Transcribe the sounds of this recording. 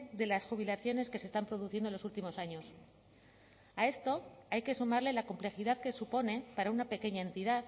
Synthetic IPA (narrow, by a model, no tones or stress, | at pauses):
ðe̞lasxuβ̞ilaθjo̞ne̞ske̞sest̪ampɾo̞ð̞uθje̞nd̪olo̞sult̪imo̞saɲo̞s | ae̞st̪o̞ajkesumaɾle̞lako̞mple̞xiðaðke̞supo̞ne̞paɾaunape̞ke̞ɲae̞nt̪iðað